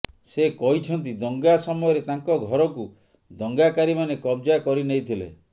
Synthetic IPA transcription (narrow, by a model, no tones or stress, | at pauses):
sekɔɦit͡ʃʰɔnt̪̬id̪ɔŋɡasɔmɔjɔɾet̪aŋkɔɡʱɔɾɔku | d̪ɔŋɡakaɾimanekɔbd͡ʒakɔɾinejt̪ʰilḛ